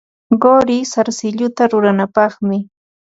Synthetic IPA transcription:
ɢoɾɪsaɾsɪʎʊt̪aɾʊɾanapɑχmɪ

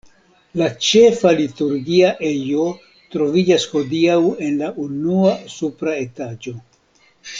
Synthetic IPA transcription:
lat͡ʃe̞falituɾɡiaʔejo̞ | tɾo̞vid͡ʒasho̞diawe̞nlaʔunuasupɾae̞tad͡ʒo̞

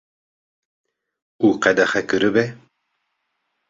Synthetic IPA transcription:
uːqɛd̪ɛxɛkɨɾɨbɛ

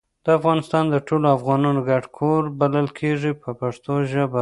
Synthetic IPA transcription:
d̪̥əafɣɑnɪst̪ɑnd̪əʈʰoloafɣɑnɑnoɡaɖkʰoɾbaləlkʰeʐipəpaʂt̪oʒəba

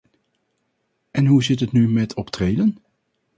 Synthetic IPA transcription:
ʔɛnɦuzɪtətnymɛtʰɔptrejlən

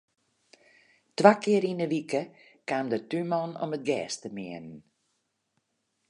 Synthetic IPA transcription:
tʋakʰɪəɾinəʋikə | kaːmdətymɔno̰mət̚ɡɛːstəmɪənən

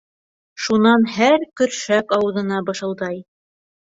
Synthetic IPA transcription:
ʃunɑnɦæɾkɵ̆ɾʃækɑwɤ̆ðɤ̆nɑbɤ̆ʃɤ̆lˠd̪ɑj

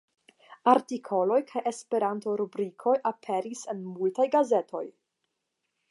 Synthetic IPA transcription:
aɾtikʰo̞lo̞jkʰaje̞spe̞ɾanto̞ɾubɾikʰo̞jʔapʰe̞ɾise̞nmultajɡaze̞tʰo̞j

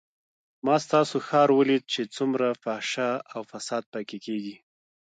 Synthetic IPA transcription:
mɑst̪ɑsoxɑɾwəlid̪̚t͡ʃet͡sumɾafaʃaawfasɑd̪̚pəkekeɡi

